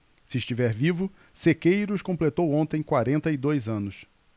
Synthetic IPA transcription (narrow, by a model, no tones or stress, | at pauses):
sɪːʃt͡ʃivɛɾvivʊ | sekejɾʊʊskõmplet̪owõnt̪ẽj̃kwaɾẽnt̪ɐid̪ojzɐ̃nʊs